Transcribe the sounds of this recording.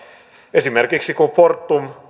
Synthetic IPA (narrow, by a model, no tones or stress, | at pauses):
esimerkiksikufort̪ːum